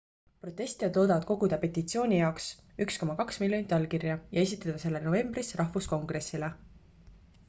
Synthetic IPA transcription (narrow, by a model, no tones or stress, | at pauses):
pro̞t̪ːˑe̞sʲt̪iɑd̪loːd̪ɑvɑd̪̥ko̞ɡ̥ud̪ɑpe̞t̪ːˑit̪sio̞ːnʲijɑoks | yksko̞mɑkɑksmiljonit̪ʲːˑɑlkirjɑjɑe̞s̬ʲit̪ːˑɑt̪ɑse̞lːeno̞ve̞mbrisrɑhvusko̞ŋɡ̥re̞sile